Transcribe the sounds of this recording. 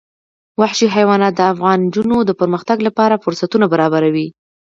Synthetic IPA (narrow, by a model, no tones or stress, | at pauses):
waħʃiɦajwɑnɑt̪̚d̪əafɣɑnd͡ʒunod̪əpəɾməxt̪aɡlapɑɾafʊɾsat̪unabaɾɑbaɾawi